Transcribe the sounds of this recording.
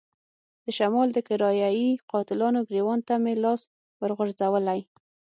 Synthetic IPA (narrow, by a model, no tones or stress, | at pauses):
d̪̥əʃamɑld̪əkɪɾɑjɑiqɑt̪ɪlɑnoɡɾewɑnt̪amelɑs | wəɾɣʊɾzawəlaj